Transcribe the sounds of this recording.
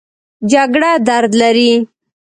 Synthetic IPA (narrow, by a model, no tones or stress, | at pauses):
d͡ʒaɡɽad̪aɾd̪laɾi